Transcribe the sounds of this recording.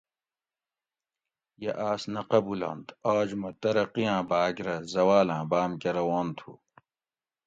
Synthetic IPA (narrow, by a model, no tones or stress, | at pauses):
jeʔaːsnɐqɐbulɐ̰̃nt̪aːd͡ʑmɐt̪ɐɾɐqijãːbaːɡɾɐzɐwaːlãːbaːmkɐɾɐwaːnt̪ʰṵː